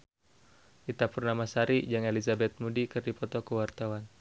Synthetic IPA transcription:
ʔit̪apurnamasaɾid͡ʒaŋelizabɛt̪̚mudikɨrdipɔt̪ɔkəwart̪awan

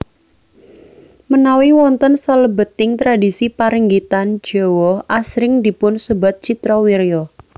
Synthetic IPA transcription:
mənawiwɔnt̪ənsaləbət̪ɪŋt̪ɾadisipaɾəŋɡit̪an̥d͡ʒ̥ɔwɔhʔasɾɪŋd̪ipʊnsəbat̪̚t͡ʃit̪ɾɔwiɾjɔ

